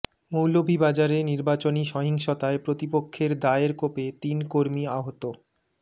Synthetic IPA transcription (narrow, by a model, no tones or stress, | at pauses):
mowlobʱibad͡ʑaɾeniɾbat͡ɕoniʃɔɦiŋʃot̪aepɾot̪ipokʰːeɾd̪aeɾkopet̪inkoɾmiaɦot̪o